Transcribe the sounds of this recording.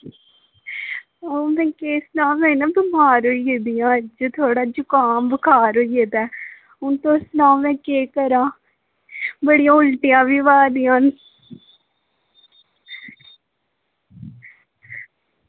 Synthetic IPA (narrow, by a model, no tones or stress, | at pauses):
oːmɛ̃ːkeːsnãːmɛ̃ːnãːbɪmaːɾoːieːd̪ijãːd͡ʒoːt̪ʰoːɽaːd͡ʒʊkaːnbəkʰaːɾoːieːd̪aː | ʊnt̪õːsnaːmɛ̃ːkeːkəɾãː | bəɽɪjãːʊlʈɪjãːʋiːʋaːd̪ijãːn